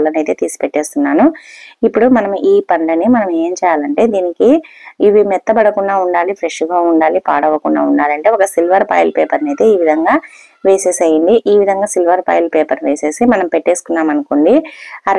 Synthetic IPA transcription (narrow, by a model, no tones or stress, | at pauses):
lɐneːt̪eːt̪iːsi̥peʈːeːst̪unːaːnuipːuɽumɐnɐmuʔiːpɐɳɖɐnimɐnɐme̞ːmt͡ʃɛːjaːlɐɳʈe̞ːd̪iːnikiːʋimɛt̪ːɐbɐɽɐkuɳɖaːuɳɖaːlipʰɾeʃuɡaːuɳɖaːlipaːɽɐʋɐkuɳɖa̰ːuɳɖaːlɐɳʈe̞ːɔkɐsilʋɐɾpɐ̰jlpeːpɐɾɐneːt̪eiːʋid̪ʱɐŋɡaː | ʋe̞ːseːsɐjiɳɖiʔiːʋid̪ʱɐŋɡaːsilʋɐɾpɐ̰ːjlpeːpɐɾʋe̞ːse̞ːsimɐnɐmpeʈːeːsu̥kunːaːmɐnukoɳɖiɐ